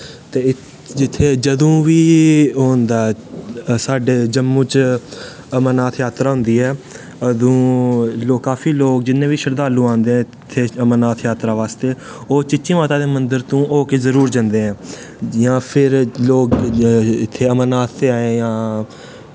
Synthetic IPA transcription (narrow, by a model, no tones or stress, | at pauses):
t̪eːɪ | d͡ʒɪt̪ʰːeːd͡ʒəd̪ũːʋiːɦoːnd̪aː | saːɖeːd͡ʒəmːũːt͡ʃ | əmənaːt̪ʰjaːt̪ɾaːɦʊ̃nd̪iːɦɛː | əd̪õːloːkːaːfʰiːloːk̚d͡ʒɪnːẽːʋiːʃəɾd̪aːlũːãːnd̪eːɦɛ̃ː | t̪ʰːeːəmənaːt̪ʰjaːt̪ɾaːʋaːst̪eː | oːt͡ʃɪt͡ʃːt͡ʃĩːmaːt̪aːd̪eːmənd̪əɾt̪ũːʔoːkeːzəɾuːɾd͡ʒə̃nd̪eːɛ̃ː | jãːpʰɪɾloːkɪt̪ʰːeːəmənaːt̪ʰːeːaːẽːjãː